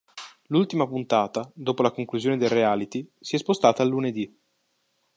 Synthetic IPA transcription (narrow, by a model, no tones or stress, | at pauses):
lult̪imapunt̪aːt̪ad̪oːpolakoŋkluzjoːned̪elreaːlit̪isiɛspost̪aːt̪aːlːuned̪i